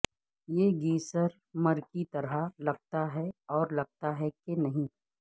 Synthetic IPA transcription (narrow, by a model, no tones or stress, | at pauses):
jeːɡiːsəɾ | mɐɾkit̪ɐɾalɐɡ̚t̪aɦɛɔːɾlɐɡ̚t̪aɦɛkenɐɦĩː